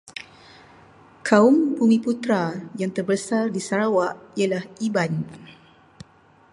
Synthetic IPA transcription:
kʰaʊmpuŋĩput̪ɾajaŋt̪ərbəsardisaɾawaʔialahʔiban

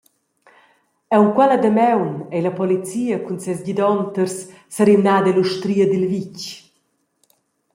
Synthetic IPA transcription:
ɛwŋkwɛlad̪əmɛwnɛjlɐpɔlit͡siːəkunsɛsɟid̪ɔnt̪ərsː | aɾimnaːd̪ɛluʃt̪ɾiːəd̪ilvic

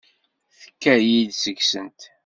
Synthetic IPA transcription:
θə̥kːæɾjid̪səɡsənt̪

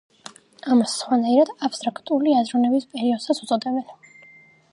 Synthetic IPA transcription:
amasːχwanaiɾad̪apst̪ʼɾakʰt̪ʼuliazɾɔnɛbispʼɛɾiɔd̪̥sasut̪sʼɔd̪ɛbɛn

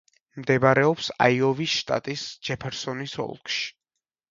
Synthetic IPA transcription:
md̪ɛbaɾɛɔpsa̰iɔvisʃt̪ʼa̰t̪ʼisd͡ʒɛpʰɛɾsɔnisɔ̰lˠkʰʃi̥

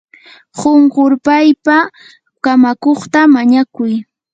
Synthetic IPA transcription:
ɢoɴɢoɾpajpa | kamakoχt̪amaɲakʊj

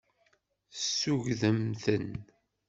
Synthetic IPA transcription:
sːuʝðəmθən

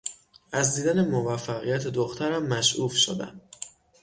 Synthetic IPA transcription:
ʔæzd̪iːd̪æne̞movæfːæɣijæt̪ʰed̪oxt̪ʰæɾæmːæʃʔufʃo̰d̪æ̰m

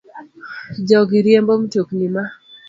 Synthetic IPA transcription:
d͡ʒɔɡiɾjembomtjoknima

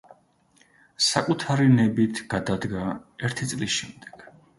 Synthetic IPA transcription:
sakʼut̪ʰaɾinɛbit̪ʰɡ̥ad̪ad̪ɡaɛɾt̪ʰit̪sʼlisʃɛmd̪ɛ̥ɡ̥

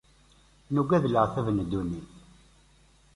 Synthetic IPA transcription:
nuɡæðləʁθævnd̪ːuniθ

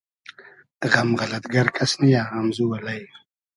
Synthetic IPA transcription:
ɣamʁalat̪ɡaɾkʰʼasnijaɣamzuwalaj

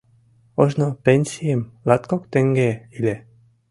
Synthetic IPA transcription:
oʒnopenʲsijemlat̪kokt̪eŋɡeilʲe

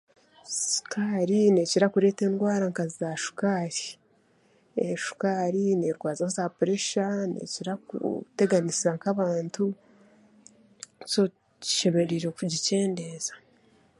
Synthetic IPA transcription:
su̥kaɾineːciɾakuɾe̞te̞ːndɡwaːɾaŋkazizaʃu̥kaɾi̥ | eʃu̥kaɾineːɾɡwaːzazapuɾeʃanḛciɾakṵte̞ɡanisiɾaŋkaβaːntu | co | ci̥ʃe̞βe̞ɾiɾokuɟice̞ːnde̞ːzḁ

